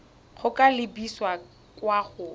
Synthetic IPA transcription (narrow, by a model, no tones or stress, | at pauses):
k͡xʰʊkʼalɪbiswa | kʼwaχʊ